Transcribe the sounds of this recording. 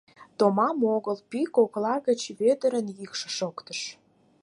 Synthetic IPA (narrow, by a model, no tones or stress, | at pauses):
t̪omɑmoɣəlpikoklɑɣə̆t͡ɕβed̪ə̆ɾənjikʃə̥̆ʃokt̪əʃ